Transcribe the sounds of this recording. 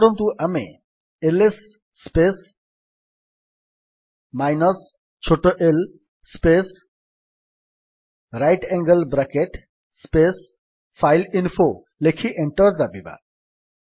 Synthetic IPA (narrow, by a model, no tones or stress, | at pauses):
ɽɔmt̪uʔamḛ | elesː | pes | majnɔs | t͡ʃʰoʈoʔel | spes | ɾajʈɛŋɡəlbɾakeʈ | spes | fʰajlinfo | lekʰiʔeɳʈɔɾd̪abiba̰